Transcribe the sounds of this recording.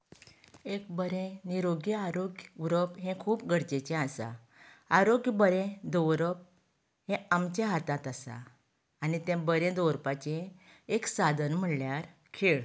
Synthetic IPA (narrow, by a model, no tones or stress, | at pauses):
ek̚bəɾẽniɾoɡjəaɾoɡuɾəpɦɛ̃kʰuːpɡʱəɽt͡ɕet͡ɕɛ̃asa̰ | aɾoɡjbəɾɛ̃d̪ɔwɾəp̚ | ɦɛ̃amt͡ɕjaɦat̪ãt̪asa̰ː | nit̪ɛ̃bəɾẽd̪owɾpat͡ɕẽ | eksad̪ʱənm̤əɽljaɾ | kʰeɭ